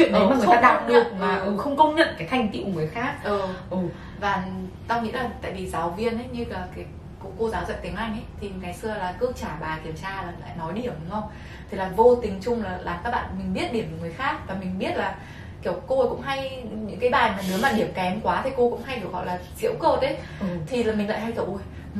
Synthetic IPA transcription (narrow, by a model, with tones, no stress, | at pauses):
t͡ɕw̰ḭ˧˨nə˨˦m˧˨˧ta˧ɗa˨˦˥ɗɨ˨˩ək̚maː˨˩˨xə˧wŋ͡mkə˧wŋ͡mɲə̰˧˨nkaː˨˦jt̪ʰjŋ̟t̪ḭ˧˨wŋɨ˨˩əjxaː˦˥k̚ʔəː˨˩ʔ | vaː˨˩t̪aː˧wŋḭ˧˥laː˨˩t̪a̰ː˧˨jvi˨˩zaː˨˦wvi˧ənʔə˨˦jɲɨ˧laː˨˩kaː˨˦ | kko˧zaː˨˦wzə̰˧˨t̪ï̟˨˦ʔa˧jŋ̟ə˨˦jt̪ʰi˨˩kaː˨˦jsɨ˧əlaː˨˩kɨ˦˥t͡ɕaː˧˩ɓaː˨˩ki˧˩əmt͡ɕaː˧laː˨˩la̰ː˧˨jnɔ˨˦jɗi˧˩əm˨˦ŋə˧wŋ͡m | t̪ʰi˨˩laː˨˩vo˧t̪ï˨˦ŋt͡ɕʊ˧ŋ͡mlaː˨˩laː˨˩mkaː˦˥k̚ɓa̰ː˧˨nmï˨˩ŋ̟ɓi˦˥ət̚ɗi˧˩əm˨˩ŋɨ˨˩əjxaː˦˥k̚vaː˨˩mï˨˩ŋ̟ɓi˦˥ət̚laː˨˩ | ki˧˩əwko˧kʊ̰˧˥ŋ͡mɦa˧jɲɨ̰˧˥ŋkaː˨˦ɓaː˨˩jmaː˨˩ne˨˦maː˨˩ɗi˧˩əmkɛ˨˦mkwaː˨˦t̪ʰi˨˩ko˧kʊ̰˧˥ŋ͡mɦa˧jɗɨ˨˩ək̚hɔ̰˧˨laː˨˩zḭ˧˥əwkəː˧tʰe˨˦j | t̪ʰi˨˩laː˨˩mï˨˩ŋla̰ː˧˨ha˧jt̪ʰə˧˩ʔo˧˩j